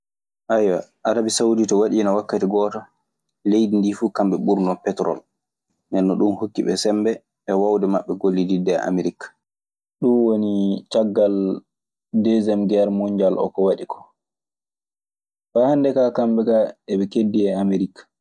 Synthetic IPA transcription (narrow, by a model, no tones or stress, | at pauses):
ʔajwaʔaɾabisauditɔwaɗiːnɔwakːatiɡɔːtɔ | lejdindifuːkambɛɓuɾnɔpɛtɾɔ̰l | nɛnːɔɗunhokːiɓɛ̰sɛmbɛ | ɓɛwawdɛmaɓːɛɡolːididɛa̰meɾikːḁ | ɗunwonit͡ʃaɡːal | dɛzɛmɡɛɾmuɲd͡ʒalʔɔ̰kɔwaɗikʰɔ̥ | faːhandɛkakambɛkaɛɓɛkedːiɛameɾikːḁ